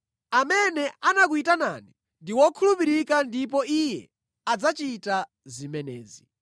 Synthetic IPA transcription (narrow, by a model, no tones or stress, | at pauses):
amɛnɛʔanak̬uitana̰ni | ndiwɔkʰulupiɾikandip̬ɔijɛ̰ | ad͡zat͡ʃita | zimɛnɛ̰ːzi